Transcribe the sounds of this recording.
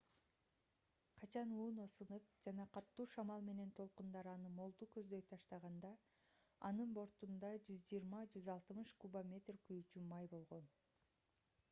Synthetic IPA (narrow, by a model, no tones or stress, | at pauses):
qʰɑt͡ʃʰɑnuːno̞sɯnɯp̚d͡ʒɑnɑqʰɑt̪ːuːʃɑmɑlˠme̞ne̞nt̪ʰo̞lˠqund̪ɑɾɑnɯmo̞lˠd̪ukø̞zd̪øjt̪ʰɑʃt̪ɑʁɑnd̪ɑ | ɑnɯnbo̞ɾt̪und̪ɑd͡ʒyzd͡ʒijɾmɑd͡ʒyzɑlˠt̪ɯmɯʃkubamʲe̞t̪rkyjyt͡ʃymɑjbo̞lˠʁo̞n